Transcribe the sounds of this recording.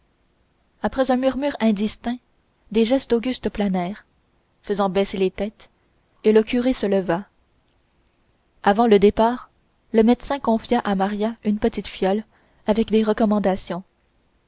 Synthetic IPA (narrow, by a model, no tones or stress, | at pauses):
apχɛzɛ̃myʁmyːʁɛ̃d̪ist̪ɛ̃ | d̪eʒɛst̪oɡʲyst̪planɛːʁ | fəzɑ̃bɛselet̪ɛːt̪ | eləkʲyʁesələva | avɑ̃ləd̪epaːʁ | ləmɛd̪sɛ̃kɔ̃fjaʔamaʁjaynpət̪it̪fjɔl | avɛkd̪eʁəkɔmɑ̃d̪asjɔ̃